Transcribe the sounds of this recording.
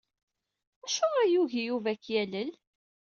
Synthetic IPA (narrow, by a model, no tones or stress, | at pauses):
æʃuæjuʝijuvækːjæləl